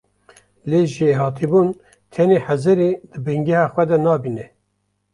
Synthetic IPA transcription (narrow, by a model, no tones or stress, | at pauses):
leːʒeɦɑːt̪ʰibuːn | t̪ʰɛneːħæzɨɾeːd̪ɨbɨŋɡɛhɑːxʷɛd̪ɛnɑːbiːnɛ